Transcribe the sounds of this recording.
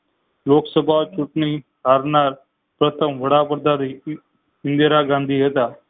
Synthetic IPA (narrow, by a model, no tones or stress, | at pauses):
loːksəbʱaːt͡ʃʊʈɳiː | ɦaːɾnaːɾ | pɾət̪ʰəmʋəɽaːpəɾd̪aːɾi | ɪ̃nd̪eɾaːɡãːnd̪ʱiːɦət̪aː